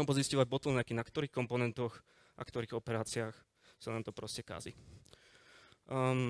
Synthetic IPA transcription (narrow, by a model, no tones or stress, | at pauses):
ɔmpɔziscɔʋaɟ̚bɔt̪l̩nnɲakinakt̪ɔɾiːxkɔmpɔnɛnt̪ɔx | ʔa̰kt̪ɔɾiːɣɔpɛɾaːt͡siaːx | sanaːmt̪ɔpɾɔscɛka̰ːzḭ